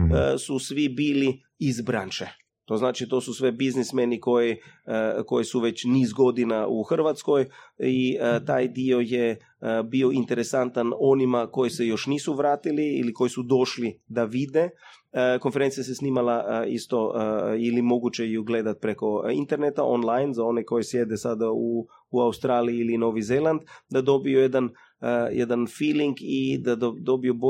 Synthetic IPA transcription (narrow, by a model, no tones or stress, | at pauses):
susʋibiːli | izbɾanʃe | t̪o̞znaːt͡ʃit̪o̞ːsusʋe̞biznismeniko̞ji | ko̞jisuʋe̞t͡ɕniːzɡo̞d̪inauxr̩ʋat̪sko̞jit̪aːjd̪io̞je | bio̞int̪eɾesant̪ano̞nimako̞jisejo̞ʃniːsuʋɾaːt̪iliḭːliko̞jisud̪o̞ʃlid̪aʋid̪e | ko̞nfeɾent̪sijasesniːmalaist̪o̞ilimo̞ɡut͡ɕejuɡle̞d̪at̪̚pɾeko̞ḭnt̪e̞ɾnet̪aʔo̰nlajnzao̞neko̞jisjed̪esad̪auː | aust̪ɾaːliiilino̞ʋizelˠand̪d̪ad̪o̞biojed̪an | jʔɛ̰d̪anfiːliŋɡid̪ad̪od̪o̞biobo